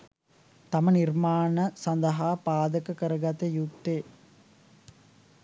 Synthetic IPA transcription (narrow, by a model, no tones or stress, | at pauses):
t̪ɐmɐnirmaːnɐsɐnd̪ɐɦaːpaːd̪ɐkɐkəɾɐɡɐt̪ejuk̚t̪eː